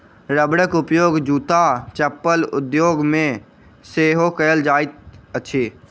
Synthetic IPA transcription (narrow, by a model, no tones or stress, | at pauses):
ɾəbɽəkʊpjoːɡd͡ʒuːt̪at͡ʃəpːəlʊ̰d̪joːɡmẽ | seːɦokəəld͡ʒaːɪt̪̚əʃʰeː